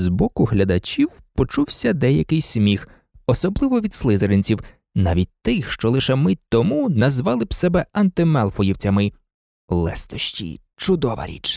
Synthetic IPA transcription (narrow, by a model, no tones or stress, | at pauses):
zbɔkʊɦlʲɐd̪ɐt͡ʃʲiw | pɔt͡ʃuwsʲɐd̪ɛjɐkɪjsʲmʲix | ɔsɔblˠɪʋɔʋʲid̪slˠɪzɐɾenʲt͡sʲiw | naʋʲit̚ʲt̪ɪxʃt͡ʃɔlˠɪʃɛmɪt̪ɔmunɐzʋɑlˠɪbsɛbɛɐnt̪ɪmɛlˠfɔjiwt͡sʲɐmɪ | lˠɛ̰st̪ɔʃt͡ʃʲḭ | t͡ʃʊd̪ɔʋɐ̰ɾʲḭt͡ʃ